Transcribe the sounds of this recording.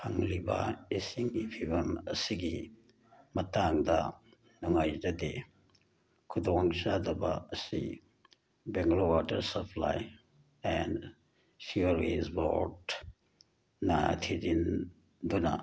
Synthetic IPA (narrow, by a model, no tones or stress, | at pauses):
hɐŋlibɐ̰isiŋɡipʰibɐmɐsiɡi | mɐtaŋdɐ | nuŋajdɐde | kʰudoŋsadɐbɐːsḭ | beŋɡlowatɐɾsɐpʰla̰j | ɛnd | siɐɾezbo̰ɾd | nɐtʰiɾin | dunɐ̰